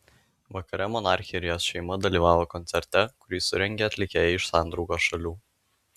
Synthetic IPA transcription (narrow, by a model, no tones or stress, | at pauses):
ʋɐkɐɾʲɛmɔnɑːˑɾʲxʲɪɾʲɪjoːsʃʲɛɪmɐd̪ɐlʲiːʋɑːʋoːkɔnʲt̪sʲɛɾʲt̪ʲɛkʊɾʲiːsʊɾʲɛŋʲɡʲeːɐt̪ʲlʲɪkʲeːjɛɪʃsɑˑnd̪ɾɔʊɡoːsʃɐlʲuː